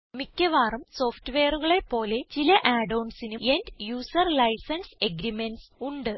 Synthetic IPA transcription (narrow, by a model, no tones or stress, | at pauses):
mikʲːɐʋaːrɐmso̞ːfʈɨʋeːɐruɣɐɭe̞pːo̞ːle̞t͡ɕilɐʔaːɖɐwɳsinue̞ndjuːsɐrlɐjsɐnse̞ɡɾimenɖsuɳɖɨ